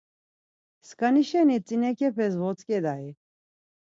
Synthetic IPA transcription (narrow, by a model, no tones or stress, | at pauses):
skʼaniʃɛnit͡sʼinɛkʰɛpʰɛzvɔt͡sʼkʼɛd̪ai